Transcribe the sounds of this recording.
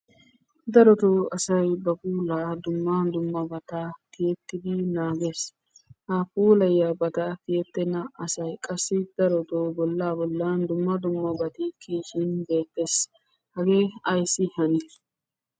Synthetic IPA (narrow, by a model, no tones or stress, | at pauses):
d̪ɐɾɔt̪oːɐsɐjbɐpuːlaːd̪ʊmːand̪ʊmːɐbɐt̪ak̪ɪjɛt̪ːɪd̪ɪnaːɡe̞ːs | hapuːlɐjːaːbɐt̪ak̪ɪjɛt̪ːɛnɐɐsɐjkʼɐsːɪd̪̥ɐɾɔt̪oːbɔlːaːbɔlːaːnd̪ʊmːɐd̪ʊmːɐbɐt̪ɪkiːʃɪnbe̞ːt̪ːe̞ːs | hɐɡe̞ːɐjsɪhɐnɛ